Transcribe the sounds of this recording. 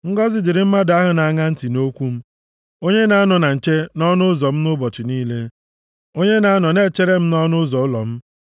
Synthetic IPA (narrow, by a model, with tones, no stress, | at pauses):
ŋ̩˦ɡɔ˦zɪ˨dɪ˨ɾɪ˨m̩˦ma˦da˦ɦʊ˨˦na˨ŋa˦n̩˦ti˨no˦kʷu˦m̩˦ | o˦ɲe˦na˨a˦nɔ˨na˨n̩˨t͡ʃe˦nɔ˦nʊ˦zɔ˨m̩˦nʊ˦bɔ˨t͡ʃɪ˨niː˦le˦ | o˦ɲe˦na˨˦a˦nɔ˨ne˦˨t͡ʃe˦ɾe˦m̩˦nɔ˦nʊ˦zɔ˨ʊ˦lɔ̰˨m̩˦